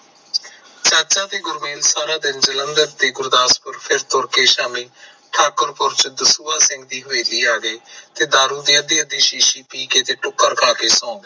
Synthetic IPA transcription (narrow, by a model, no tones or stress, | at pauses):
t͡ʃəːt͡ʃãːt̪eːɡʊɾmiːlsaːɾaːd̪ɪnd͡ʒələnd̪əɾt̪eːɡʊɾd̪aːspəɾpʰɪɾt̪ʊɾkeːʃaːmĩː | ʈʰaːkəɾpʊɾt͡ʃd̪əsuːaːsɪ̃ŋɡ̚d̪iːɦoːiːliːaːɡeːt̪eːd̪aːɾuːd̪iːəd̪eːəd̪iːʃiːʃiːpiːkeːt̪eːʈʊkːəɾkʰaːkeːsɔ̃ːɡ̪eː